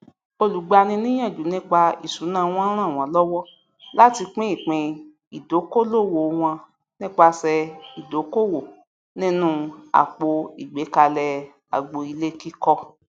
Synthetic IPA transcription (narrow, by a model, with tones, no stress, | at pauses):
o˧lu˨ɡ͡ba˧nĩ˧nĩ˦j̃ã˦˨d͡ʒu˨˦nĩ˦k͡pa˧ḭ˨su˨˦nãː˦˨˧w̃ɔ̃˦ɾ̃ã˦˨w̃ɔ̃˨˦lɔ˦wɔ˦ | la˦ti˧k͡pĩ˦i˦˨k͡pĩ˧ | i˨do˨˦ko˦lo˦˨wo˨w̃ɔ̃˧ | nĩ˦k͡pa˧sɛ˧i˨do˨˦ko˦˨wo˨ | nĩ˦nũ˧a̰˨k͡po˧i˨ɡ͡be˨˦ka˧lɛ˧ | a̰˨ɡ͡bo˧i˧le˦ki˦kɔ˧